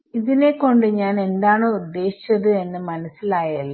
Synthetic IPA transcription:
iðine̞kːo̞ɳɖɨɲaːne̞nd̪aːɳoːud̪ːe̞ːɕi̥t͡ɕːɐðɨe̞nːɨmɐnɐsːilaːjalː

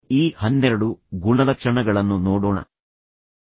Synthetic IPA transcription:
iːhɐnːɛɾɐɽuɡuɳɐlɐkʂɐɳɐɡɐɭɐnːunoːɽoːɳɐ̰

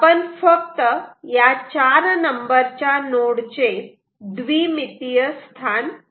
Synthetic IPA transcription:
pənfək̚t̪əjat͡ɕaɾnəmbəɾt͡ɕjanoɽt͡ɕe | d̪ʋimit̪ijəst̪ʰan

